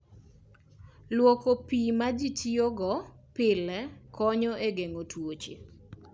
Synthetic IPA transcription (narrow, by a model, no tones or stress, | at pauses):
lwɔkopimad͡ʒitʰioɡɔ | pɪlɛkɔɲɔʔeɡeŋotwot͡ʃḛ